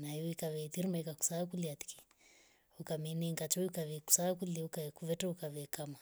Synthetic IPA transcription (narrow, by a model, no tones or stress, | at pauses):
naiuikaβɛt̪iɾimaikaku̥saːkuliat̪i̥ki̥ | ukaminiŋɡat͡ʃɔikaβɛku̥saːkuliukakuvɛtaukaβɛkama